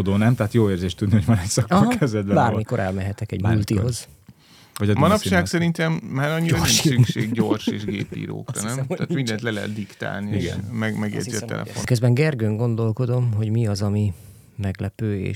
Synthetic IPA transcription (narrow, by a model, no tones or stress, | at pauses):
od̪oːnɛmt̪ɛat̪joːleːrzeːʃt̪ud̪niho̞ɟvɒnɛcsɒkɒɦkɛzɛd̪̚bɛbaːrmiko̞ɾʔɛlmɛɦɛt̪ɛkɛ̰ɟmult̪iɦo̞z | vɒɟɒdmɒnɒpʃaːksɛɾint̪ɛmːaːɾɒɲːioɾnrimsykʃʃeːɡɟo̞rʃḛːʒɡḛːpḭːɾo̰ːkrɒnɛmt̪aːt̪mind̪ɛnt̪lɛlɛɦɛ̰t̪̚d̪ikt̪a̰ːlniiɡɛ̰nmɛɡmɛɡḛziɒt̪ɛ̰lɛ̰fo̰køzbɛŋɡɛrɡøŋɡo̞nd̪o̞lko̞d̪o̞mɦo̞ɟmiɒzɒmi | mɛɡlɛpøːḛː